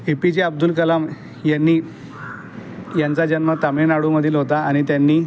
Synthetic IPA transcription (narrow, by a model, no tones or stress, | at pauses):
epid͡ʑeəb̚d̪ulkəlam | janːiː | jant͡sad͡ʑənmət̪amenaɽuməd̪ʱiːlɦot̪aaɽ̃it̪janːiː